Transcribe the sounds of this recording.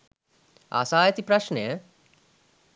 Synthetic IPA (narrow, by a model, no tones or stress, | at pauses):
a̰saːjət̪ipɾaʃnejə